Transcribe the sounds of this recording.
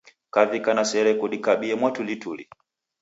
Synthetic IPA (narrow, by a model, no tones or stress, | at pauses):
kavikanasɛɾɛkuɗikaɓiɛmwatulituli